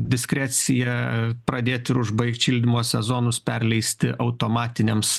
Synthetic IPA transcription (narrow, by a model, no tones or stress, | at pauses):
d̪ʲɪsʲkɾʲæːt͡s̪ʲɪjɛpɾɐd̪ʲeːt̪ʲɪɾʊʒbɐɪkt̪ʲʃʲiːlʲd̪ʲɪmuɔssʲɛzoːnʊspʲɛrʲlʲɛɪsʲt̪ʲɪʔɐʊt̪oːmɑːt̪ʲɪnʲeːms